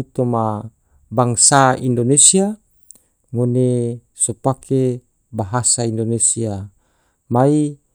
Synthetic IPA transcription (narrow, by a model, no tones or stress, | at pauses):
ut̪oma | baŋsaḭndonesia | mone | sopakʰe | baɦasaindonesia | mai